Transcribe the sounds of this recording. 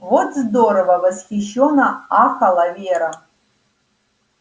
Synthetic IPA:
vo̞tʰzd̪oɾovɐvazχʲiʃonaaxalavʲeɾa

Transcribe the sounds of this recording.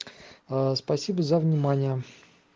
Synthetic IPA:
əspɐsʲibəzəvnʲɪmanʲɪjə

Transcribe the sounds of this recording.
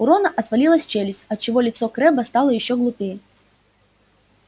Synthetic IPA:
uɾɔnɐʔɐt̪vɐlʲilˠɐsʲt͡ɕelʲɪsʲɐt̪̚t͡ɕɪvɔlʲɪt̪sɔkɾɛbɐst̪alˠəjɪɕːɔɡlˠʊpʲejɛ

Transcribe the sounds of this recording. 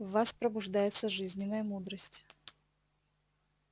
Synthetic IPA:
vaspɾəbʊʐd̪ajɪt̪səʐɨzʲnʲɪnːəjəmud̪ɾəsʲtʲ

